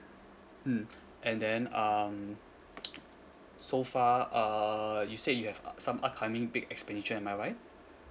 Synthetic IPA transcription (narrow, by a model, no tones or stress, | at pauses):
m̩ | ʔɛ̃ndɛ̃nʌm | sofaʌjusejuhɛvsãmʔakʰãmɪ̃ŋbɪɡɛkspɛ̃ndit͡ʃəɛ̃nmajɹaɪt̚